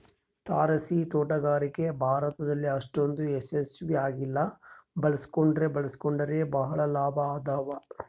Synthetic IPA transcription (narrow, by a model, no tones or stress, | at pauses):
t̪aːɾɐsit̪oːʈɐɡaːɾike̞bʱaːɾɐt̪ɐd̪ɐlːiɐʂʈond̪uesesʋiaːɡilːɐbɐɭɐsi̥koɳɖɾe̞bɐɭɐsi̥koɳɖɐɾe̞bɐɦɐɭɐlaːbʱɐaːd̪aːʋɐ